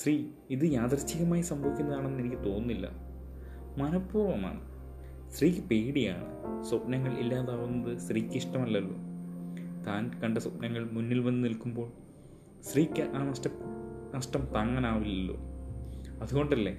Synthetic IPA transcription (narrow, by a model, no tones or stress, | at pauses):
sriː | iðɨjaːd̪rɐt͡ɕːiɣɐmaːjisɐmbʱɐʋikʲːunːɐðaːɳe̞nːenikʲːɨt̪o̞ːnːilːɐ̰ | mɐnɐpːuːrʋɐma̰ːɳɨ | sriːkːɨpeːɽija̰ːɳɨ̰sopnɐŋːɐɭʔḭlːaːðaːʋunːɐðɨsriːkʲːiʂʈɐmɐlːɐlːo̰ː | t̪aːnkɐɳɖɨsopnɐŋːɐɭmunːilʋɐnːɨnilkːumbo̞ːɭ | sriːkʲːɨʔaːnɐʂʈɐnɐʂʈɐmt̪aːŋːɐnaːʋilːo̰ː | ɐðuɣo̞ɳɖɐlːe